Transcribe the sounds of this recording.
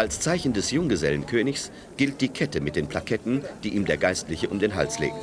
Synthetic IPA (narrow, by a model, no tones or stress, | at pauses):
ʔalst͡saɪçn̩dɛsjʊŋɡəzɛ̰lənkʰøːnɪçs | ɡ̥ɪlt̚d̥iːkʰɛtəmɪt̚d̥eːnpʰlakʰɛtn̩d̥iːʔiːmdeːɐɡaɪstlɪçəʔʊmdeːnɦa̰lslḛːk̚t